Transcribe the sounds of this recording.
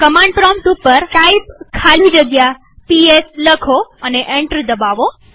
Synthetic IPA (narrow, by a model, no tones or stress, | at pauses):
kəmãɳɖpɾɔmʈupəɾkajpkʰalid͡ʒəɡja | piesləkʰoəneʔeɳʈɾid̪əbaʋo